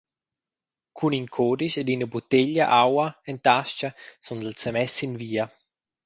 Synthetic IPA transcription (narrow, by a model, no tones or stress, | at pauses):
kʰuniŋkʰoːdiʃed̪inəbut̪eʎa̰ʔawaent̪aʃt͡ʃasund̪əlt͡səmɛsinviːa